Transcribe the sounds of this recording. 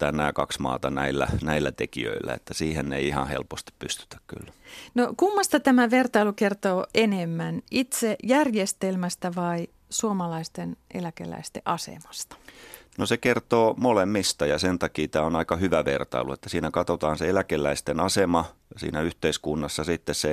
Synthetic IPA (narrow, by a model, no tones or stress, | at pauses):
æːnnæːkɑksmɑ̰ːt̪ɑnæilːæ̰næilːæt̪ekḭø̰ilːæ̰ḛt̪ːæsiːhenːeiihɑ̰hḛlpost̪i̥ppyst̪y̥t̪æ̥kky̰lːnokumːɑst̪ɑt̪æmæʋert̪ɑilukert̪oːenemːænit̪seʔjærjest̪elmæst̪æʋɑi | suomɑlɑist̪enʔḛlækḛlæ̰ist̪eʔɑsḛmɑ̥st̪ɑ̥nosekert̪oːmolemːist̪ɑjɑsent̪ɑkiːt̪æːonɑikɑhyʋæʋḛrt̪ɑ̰iluet̪ːæsiːnækɑt̪ot̪ɑːnseelækelːˑæist̪enɑsemɑ | sḭːnæyht̪eiskunːɑsːɑsit̪ːesse